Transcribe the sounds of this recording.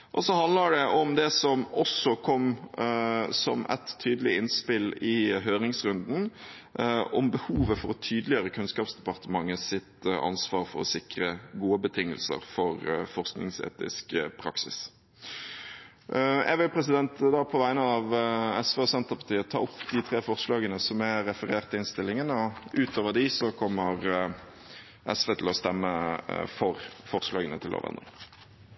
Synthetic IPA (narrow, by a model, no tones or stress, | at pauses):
ʔɔsɔhɑnd̪ləɖɛʔɔmd̪ɛsɔmɔsɔkʰɔmː | sɔ̰mʔɛ̰t̪ʰːyːd̪əlɪɪnspɪlɪɦøːɾɪŋsɾʉnd̪n̩ | ɔmbəhuːʋəfɔɾɔt̪ʰyːd̪əlɪjøːɾəkʰʉnskɑːpsd̪ɛpɑʁt̪əmɑŋːəsɪt̪ɑ̰nsʋɑːɾfɔɾɔ̰sɪkɾəɡuːəbət̪ʰɪŋːə̰lsə̰ɾfɔɾfɔɾsknɪ̰ŋsḛːt̪ɪ̰skpʰɾɑ̰ksɪ̰s | ɛɡʋɪlpʰɾɛsɪd̪ɛnt̪d̪ɑːpʰɔʋæɪnəɑʋɛsʋeːɔsɛnt̪əpɑt̪ʰiːət̪ʰɑ̰ːʊpːd̪ɪt̪ʰɾeːfɔɾʁʂlɑːɡənəsɔmæɾɛfəɾeːɾt̪ʰːɪnst̪ɪlːɪŋənɔʉːt̪ʰoːʋəd̪ɪsɔkʰɔmːəɾ | ʔɛsʋeːt̪ʰɪlɔst̪ɛmːəfɔɾfɔʁslɑːɡənət̪ʰɪlʔo̰ːʋɛ̰nə̰